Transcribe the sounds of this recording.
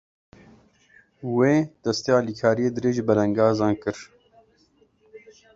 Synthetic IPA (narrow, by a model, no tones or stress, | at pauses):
weːd̪̥ɐst̪eːaːliːkʰaːɾijeːd̪ɨɾeːʒbɛlɛŋɡɑːzɑːnkɨɾ